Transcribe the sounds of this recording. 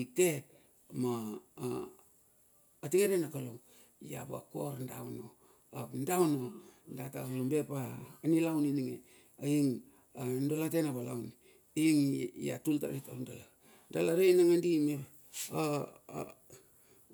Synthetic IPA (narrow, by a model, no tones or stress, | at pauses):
ik̚te | ma | tiɡeɾenakalo | ja̰ba̰koɾndawno | apndawnondatakalombepaːnilawniniŋe | aiŋ | andolatenaβalawn | iŋja̰tulta̰ɾitandala | dalaɾejnaŋandime | a̰